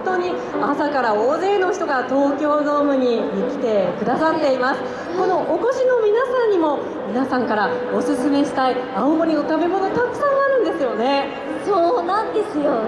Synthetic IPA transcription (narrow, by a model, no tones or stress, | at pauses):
t̪o̞ːɲ̟i | asakaɾaoːze̞ːno̞çi̥t̪o̞ɡat̪o̞ːkʲo̞ːzo̞ːmɯ̟ɲ̟iikʲi̥t̪e̞kɯ̟d̪asat̪ːe̞imasɨ̥ | ko̞no̞ʔoko̞ɕino̞mʲinasãɲ̟ːimo̞ | mʲinasãŋkaɾao̞sɨsɨme̞ɕi̥t̪aiaomoɾʲino̞t̪abe̞mo̞no̞t̪akɯ̟̥sãɰ̃aɾɯ̟̃nd̪e̞sɨjo̞ne̞ | soːnãnd̪e̞sɨjo